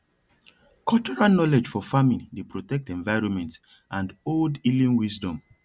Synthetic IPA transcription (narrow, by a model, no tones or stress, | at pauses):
kɔlt͡ʃɔɹalnɔlɛd͡ʒfɔfamĩndepɹotɛk̚tɛ̃ɱvaɪɹɔ̃nmɛ̃nt | ʔãndoldilĩnwisdɔ̃m